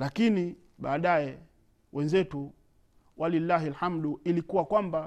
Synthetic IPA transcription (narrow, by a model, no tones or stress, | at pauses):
lakini | ɓaːɗajɛ | wʔɛnzɛtu | wʔalilːaɦilhamɗuilikuwakwamba